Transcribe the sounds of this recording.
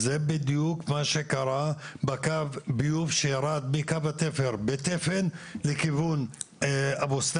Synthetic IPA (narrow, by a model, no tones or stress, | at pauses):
zebid̪jukmaʃekaɾabakavbijufʃejaɾad̪̚bikavat̪efeɾbet̪efenlekivun | abost̪